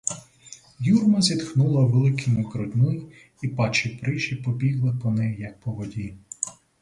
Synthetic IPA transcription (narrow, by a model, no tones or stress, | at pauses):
jurmɐzʲid̪xnulˠɐʋelˠɪkʰimʊkɾɔd̪ʲnʊji | ipɑt͡ʃipɾɪʃipɔbʲiɦlˠɪpɔnɛjjɐk̚pɔʋɔdʲi